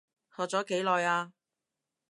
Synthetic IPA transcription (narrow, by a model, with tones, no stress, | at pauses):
hɔː˨t͡sɔː˨˥ke˨˥jlɔː˨jaː˧